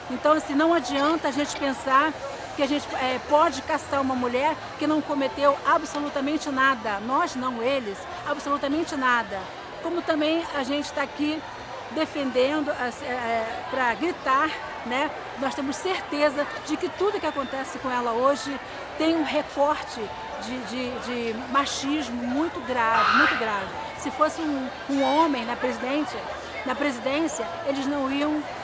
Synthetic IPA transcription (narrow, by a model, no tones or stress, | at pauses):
ẽnt̪ɐ̃w̃asĩnɐ̃w̃ad͡ʒiɐ̃nt̪ɐːʒẽnt͡ʃɪ̥pẽsaɾ | kɪaʒẽt͡ʃɪ̥ɛpɔd͡ʒɪkasaɾũmɐmuʎɛɾ | kɪnɐ̃w̃kõmet̪ewabsolut̪ɐmẽnt͡ʃɪnad̪ɐnɔznɐ̃w̃elɪs | absolut̪ɐmẽnt͡ʃɪnad̪ɐ | kõmʊt̪ɐ̃mbẽj̃aʒẽnt͡ʃɪ̥t̪aaki | d̪efẽnd̪ẽnd̪ʊasɛɛpɾɐɡɾit̪aɾ | nɛ | nɔst̪ẽmʊsseɾt̪ezɐd͡ʒɪkɪt̪ud̪ʊkɪakõnt̪ɛsɪkõɛlɐoʒɪ | t̪ẽj̃ũɦekɔɾt͡ʃɪ | d͡ʒɪd͡ʒɪd͡ʒɪ | maʃiʒmʊmũj̃t̪ʊɡɾavɪmũj̃t̪ʊɡɾavɪ | sɪfosɪũ | ũõmẽj̃nɐpɾezid̪ẽsɐ | nɐpɾezid̪ẽsiɐ | elɪznɐ̃w̃iɐ̃w̃